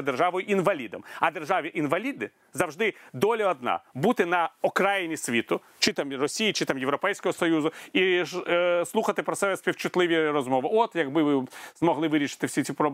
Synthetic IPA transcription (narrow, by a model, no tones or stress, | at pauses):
d̪erʒɑʋɔjʊʔinʋɐlʲid̪ɔmɐd̪erʒɑʋʲiʔinʋɐlʲid̪nɪ | zɐwʒd̪ɪd̪ɔlʲɐɔd̪nɑ̰but̪ɪnɐɔkɾɑjinʲisʲʋʲit̪ʊ | t͡ʃɪt̪ɑmrɔsʲijit͡ʃɪt̪amjeʋwɾɔpɛjsʲkɔɦɔsɔjuzʊi | slˠuxɐt̪ɪpɾɔtsɛbɛsʲpʲiwt͡ʃʊt̪lˠɪʋʲiɾɔzmɔʋɪɔt̪jɐɡbɪʋɪzmɔɦlˠɪʋɪɾʲiʃɪ̥t̪ɪwsʲit͡sʲipɾɔ